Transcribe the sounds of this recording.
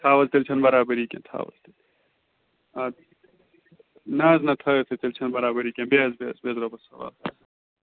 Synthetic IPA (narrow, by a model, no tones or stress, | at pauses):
t̪ʰaːwɐlt̪elt͡ʃʰɐnbɐɾaːbɐɾiːkḛ̃t̪ʰa̰ːwɐ̰lt̪e | a | naːznɐt̪ʰɐːt̪ʰet̪ɐlt͡ʃʰɐnbɐɾaːbɐɾiːkẽbezbḛːzbezɾɐbɐsɐwa̰ːlt̪ʰa̰ːsɐ